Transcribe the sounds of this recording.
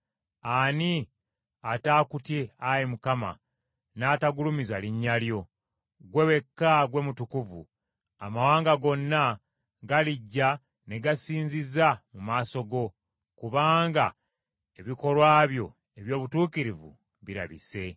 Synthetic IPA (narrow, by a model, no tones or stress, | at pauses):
ani | ataːkutjeajemukama̰ | naːtaɡulumizaliɲːaljo̞ | ɡwe̞we̞kːaɡwe̞mutukuvṵ | amawaːŋɡaɡo̞nːa | ɡaliɟːa | ne̞ɡasiːɲzizamumaːso̞ɡo̞ | kuβaːŋɡa | e̞βiko̞lwaːβjo̞ | e̞βjo̞ːβutuːkiɾivṵ | βiɾa̰βḭse̞